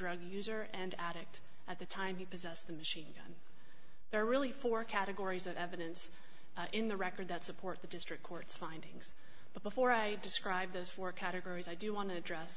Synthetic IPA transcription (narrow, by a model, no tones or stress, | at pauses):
d̥ɹʌɡjʉzə˞ʔɨ̃næɾɨk̚t | ʔɨt̪̚ðɨtʰãɪ̃mhipɨzɛsðɨmɨʃĩnɡʌ̰̃n | ðə˞ːɹɪlˠifɔɹkʰæɾɨɡɔɹizʌvɛvɨɾɨ̃ns | ʔɪ̃nðɨɹɛkə˞d̪̚ðɨtsɨpʰɔɹt̪̚ðɨdɪstɹ̥ɨkʰɔɹtsfãɪ̃ndɪ̃ŋz̥ | b̥ʌt̚b̥əfɔɹaɪdɨskɹaɪb̚ðoʊz̥fɔɹkʰæɾɨɡɔɹizaɪdɨwɑ̃nɨɨdɹɛs